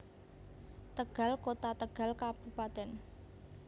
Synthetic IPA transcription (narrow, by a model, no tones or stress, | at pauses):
t̪əɡ̥a̤lkot̪at̪əɡ̥a̤lkab̥upat̪ɛn